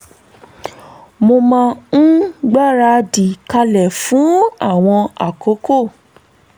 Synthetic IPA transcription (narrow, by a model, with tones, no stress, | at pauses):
mo˧mã˧˦ | ɡ͡ba˦˨ɾa˧di˨ka˧lɛ˨fũ˨˦a˦˨w̃ɔ̃˧a̰˨ko˨˦ko˦˨